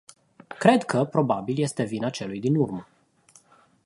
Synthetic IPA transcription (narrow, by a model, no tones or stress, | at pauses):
kɾe̞d̪kʰəpɾo̞babilje̞st̪e̞vinat͡ʃe̞lujd̪inurmə